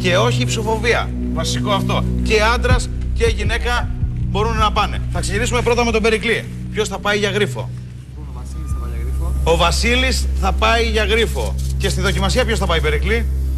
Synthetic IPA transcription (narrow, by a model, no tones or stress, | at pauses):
ce̞o̞çipsofo̞viɐ̰ | vɐsiko̞ɐft̪o̞ce̞ɐnd̪ɾɐsceʝine̞kɐbo̞ɾunnɐpɐne̞̰θɐkse̞ʝinisume̞pɾo̞t̪ɐme̞t̪obe̞ɾikli | pço̞sθɐpɐiʝɐɣɾifo̞̰ | o̞vɐsilisθɐpɐiʝɐɣɾifo̞̰ce̞st̪iðo̞cimɐsiɐpço̞sθɐpɐipe̞ɾikli